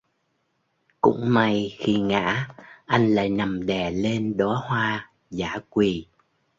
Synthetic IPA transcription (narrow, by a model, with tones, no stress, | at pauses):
kʊ̰˧˥ŋ͡mma˧jxi˧ŋa̰ː˧˥ʔa˧jŋ̟la̰ː˧˥˨jna˨˩mɗɛ˨˩le˧nɗɔ˨˦hwaː˧ | zaː˧˩kwi˨˩